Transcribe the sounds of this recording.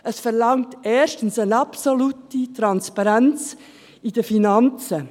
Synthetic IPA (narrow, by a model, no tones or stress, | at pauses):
ʔəsfɛɾlɑŋtɛːʃtən̩sənɑpsolutitɾɑnspɑɾænt͡s | id̥əfinɑnt͡sə